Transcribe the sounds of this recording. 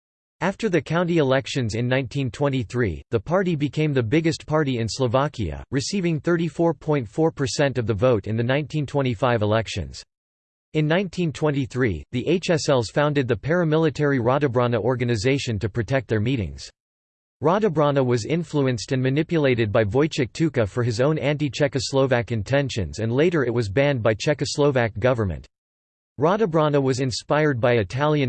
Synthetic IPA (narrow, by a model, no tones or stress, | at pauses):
æftə˞ðɨkʰãʊ̃ntiɨlɛkʃɨ̃nzɨ̃nːãɪ̃ntʰĩntʰw̥ɛ̃ñiθɹḭðəpʰɑɹɾibɨkʰẽɪ̃mðɨbɪɡɨstpʰɑɹɾiɨ̃nsləvækiɨ̰ɹɨsivɪ̃ŋθɜ˞ɾifɔɹpʰɔ̃ɪ̃ntfɔɹpʰə˞sɛ̃ntʌvðɨvoʊɾɨ̃nðɨnãɪ̃ntʰĩntʰw̥ɛ̃ɾ̃ifaɪvəlɛkʃɨ̰̃nz̥ | ɨ̃nːãɪ̃ntʰĩntʰw̥ɛ̃ntiθɹḭðiʔeɪt͡ʃɛsɛlˠz̥fãʊ̃ndɨd̪̚ðɨpʰɛɹɨmɪlˠətʰɛɹiɹɑɾɨbɹɑnəʔɔɹɡɨnɨzeɪʃɨ̃ntɨpʰɹ̥ɨtʰɛk̚t̪̚ðə˞miɾɪ̰̃ŋz̥ | ɹɑɾɨbɹɑnəwʌzɪ̃ɱfluɨ̃nstɨ̃nmɨnɪpjɨleɪɾɨd̚baɪvɔɪt͡ʃɨk̚tʰʉkɨfə˞ɨzõʊ̃næ̃ntit͡ʃʰɛkɨsloʊvækɨ̃ntʰɛ̃nʃɨ̰̃nzɨ̃nleɪɾə˞ɨt̚wʌzbæ̃nd̚baɪt͡ʃʰɛkɨsloʊvæk̚ɡ̥ʌvə˞mɨ̰̃nt̚ | ɹɑɾəbɹɑnəwʌzɨ̃nspaɪə˞d̚baɪɨtʰælˠjɨ̃n